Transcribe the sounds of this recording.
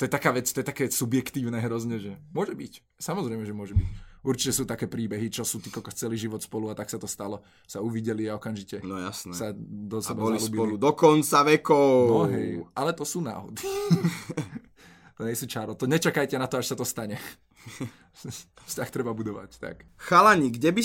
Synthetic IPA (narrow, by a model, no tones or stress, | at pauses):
t̪ɔjɛt̪akaːʋɛt͡st̪ɔjɛt̪akɛːsubjɛkt̪iːʊnɛɦɾɔzɲɛʒɛmʊɔʒɛbic | samɔzɾɛjmɛʒɛmʊɔʒɛbicuɾt͡ʃicɛsuːt̪akɛːpɾiːbɛɦit͡ʃɔsuːt̪iːkɔlkɔxt͡sɛliʒiʋɔt̪spɔluat̪aksat̪ɔst̪alɔ | sauʋiɟɛliaɔkamʒicɛnɔjasnɛssad̪ɔsɛbaɔlɛlusːbiɔlud̪ɔkɔnt͡saʋɛkɔʊnɔɦɛjʔalɛt̪ɔsuːna̰ːɦɔ̰d̪i | t̪ɔɲɛsuːt͡ʃaɾɔt̪ɔɲɛt͡ʃakajcɛnat̪ɔaʃsat̪ɔst̪aɲɛ | fscaxt̪ɾɛbabud̪ɔʋa̰ct̪a̰kxalaɲiɡɟɛbi